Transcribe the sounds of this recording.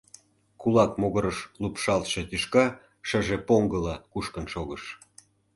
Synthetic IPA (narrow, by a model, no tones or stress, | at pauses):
kulɑkmoɣəɾəʃlupʃɑlt̪ʃĕt̪yʃkɑ | ʃə̆ʒepoŋɡəlɑkuʃkənʃoɣəʃ